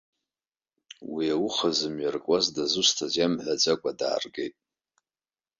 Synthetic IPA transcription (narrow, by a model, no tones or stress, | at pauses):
wiaʊχazɨmɥarkʷʼazdazɨstʰazjamħʷad͡zʼakʷʼada̰ːrɡejtʼ